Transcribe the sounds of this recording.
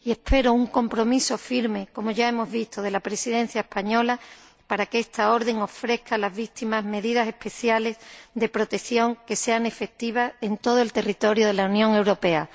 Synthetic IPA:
ie̞hpe̞ɾouŋko̞mpɾo̞miso̞fiɾme̞ko̞mo̞ʝae̞mo̞zβist̪oð̞e̞lapɾe̞siðẽ̞n̟θjae̞hpaɲo̞la | paɾakeest̪ao̞ɾðe̞ŋo̞fɾe̞θkalazβit̪imazme̞ðiðase̞hpe̞θjale̞zd̪e̞pɾo̞t̪e̞kθjo̞ŋke̞se̞ane̞fe̞k̚t̪iβ̞ase̞nt̪oð̞oe̞lt̪e̞rit̪o̞ɾjoð̞e̞launjõ̞ŋe̞wɾo̞pe̞a

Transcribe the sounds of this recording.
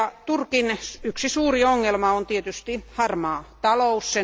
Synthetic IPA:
t̪urkinyksisuːrioŋːelmɑont̪iet̪yst̪ihɑrmɑːt̪ɑlousːe

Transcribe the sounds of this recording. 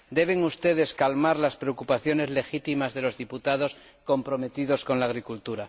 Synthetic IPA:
d̪e̞β̞e̞ŋust̪e̞ð̞e̞skalmaɾlaspɾe̞o̞kupaθjo̞ne̞zle̞xit̪imazðe̞lo̞zðiput̪aðo̞s | ko̞mpɾo̞me̞t̪iðo̞sko̞nlaːɣ̞ɾikult̪uɾa

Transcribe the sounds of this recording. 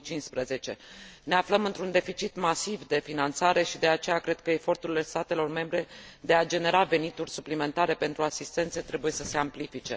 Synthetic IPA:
t͡ʃinspɾəze̞t͡ʃe̞ne̞afləmɨnt̪ɾund̪e̞fit͡ʃit̪masivd̪e̞finant̪saɾʔe̞ʃid̪e̞at͡ʃe̞jakɾe̞d̪̥̚kəe̞fo̞rt̪uɾile̞st̪at̪e̞lo̞rme̞mbɾe̞d̪e̞ad͡ʒe̞ne̞ɾave̞nit̪urʲsuplime̞nt̪aɾe̞pe̞nt̪ɾuasist̪e̞nt̪set̪ɾe̞buje̞səse̞amplifit͡ʃe̞

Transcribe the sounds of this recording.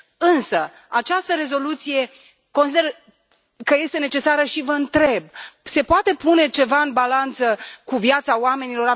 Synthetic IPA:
ɨnsə | at͡ʃast̪əɾe̞zo̞lut̪sije̞ | ko̞nsid̪er | kəje̞st̪e̞ne̞t͡ʃe̞saɾəʃivəɨnt̪ɾe̞b̚se̞poat̪e̞pune̞t͡ʃe̞vaɨnbalant̪səkuvjat̪saoame̞nilo̞ɾa

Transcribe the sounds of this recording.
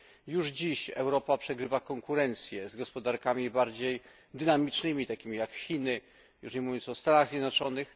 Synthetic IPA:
juʐd͡ʑiɕɛ̰wɾɔpapʂɛɡɾɘvakɔŋkuɾɛnt̪sʲjɛzɡɔspɔd̪aɾkamʲibaɾd͡ʑej | d̪ɘnamʲit͡ʂnɘmʲit̪akʲimʲijakxʲinɘ | jṵʂɲɛmuvʲjɔ̃nt̪sɔst̪anaɣzʲjɛd̪nɔt͡ʂɔnɘx

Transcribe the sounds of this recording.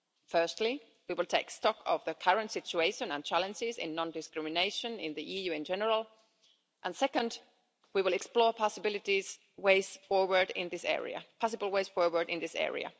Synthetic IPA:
fɜ˞stˡli | wiwɪlˠtʰeɪkstɔkʰʌvðəkʰʌɹə̃ntsɪt͡ʃueɪʃə̃nə̃nt͡ʃʰælˠə̃nd͡ʒɪzɪ̰̃nːɔ̃ndɨskɹɪmɨneɪʃə̃nɪ̰̃nðiʔijʉɪ̃nd͡ʒɛnəɹəl̩ˠ | ʔə̃nsɛkə̃nd | wiwɪlˠɛksplɔɹpʰɑsəbɪlˠɨtiz̥ | weɪz̥fɔɹwə˞dɪ̰̃nðɪsɛ̰ɹḭɨ̰pʰɑs̬ɨbəl̩ˠweɪz̥fɔɹwə˞dɪ̰̃nðɪsɛ̰ɹḭɨ̰

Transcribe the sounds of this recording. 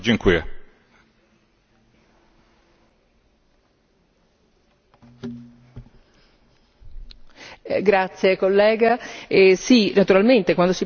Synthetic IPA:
d͡ʒiŋkwiɛ | ɡɾat̪sjekolːɛːɡaesinat̪uɾalment̪ekwand̪osi

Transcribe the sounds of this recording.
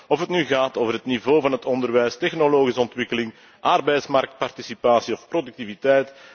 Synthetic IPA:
ɔfɦətnyɣaːtoːvərɦətnivoːvɑnɦətɔndərʋɛjstɛxnoloːɣisəɔntwɪkəlɪŋ | ʔɑrbɛjtsmɑrk̚t̚pɑrtisipaːsiɔfpɾodʉk̚tivitɛjt

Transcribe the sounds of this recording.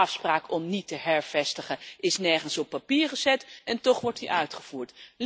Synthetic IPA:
ɑfspraːkɔmnitəɦɛɹv̥ɛstəχənʔɪsnɛɹχənsɔpːapiːɹχəzɛtɛntɔχʋɔɹtdiʔœɥtχəv̥uːɹtl

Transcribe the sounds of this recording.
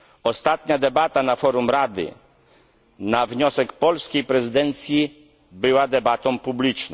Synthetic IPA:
ɔst̪at̪ɲad̪ɛbat̪anafɔɾumɾad̪ɘ̰ | navɲɔsɛkpɔlskʲejpɾɛzɘd̪ɛnt̪sʲji | bɘwad̪ɛbat̪ɔ̃w̃publʲit͡ʂn

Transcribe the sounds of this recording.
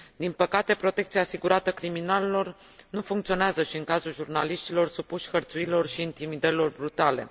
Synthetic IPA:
d̪inpəkat̪e̞pɾo̞t̪e̞kt̪siaːsiɡuɾat̪əkɾiminalelo̞r | nufuŋkt̪sio̞neazəʃiɨŋkazulʒurnaliʃt̪ilo̞rsupuʃʲxərt̪suilo̞rʃiːnt̪imid̪əɾilo̞rbɾut̪alḛ

